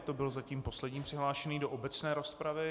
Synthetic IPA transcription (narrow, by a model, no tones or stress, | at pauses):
t̪o̞bɪlozaciːmpo̞slɛdɲiːmpr̥ɪɦlaːʃɛniːdo̞ʔobɛt͡snɛːɾo̞spɾavɪ